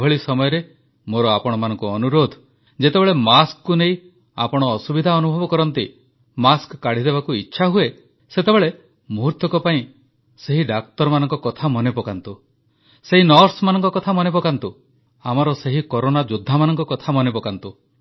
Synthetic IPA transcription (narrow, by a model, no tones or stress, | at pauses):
ɔɭisɔmɔjɔɾe | moɾɔapɔɽ̃ɔmanɔŋkuɔnuɾod̪ʱ | d͡ʒet̪ebeɭemaskkunej | a̰pɔɽ̃ɔːsubid̪ʱaɔnubʱɔbɔkɔɾɔnt̪i | maskkːaɽ̤id̪ebakuitːʃʰaɦue | set̪ebeɭe | muɦuɾt̪jɔkɔpaĩ | seɦiɖak̚t̪ɔɾmanɔŋkɔkɔt̪ʰamɔnepɔkant̪u | seɦinɔɾsmanɔŋkɔkɔt̪ʰamɔnepɔkant̪u | amɔɾɔseɦikoɾonad͡ʒud̪ʱːamanɔŋkɔkɔt̪ʰamɔnebɔkant̪u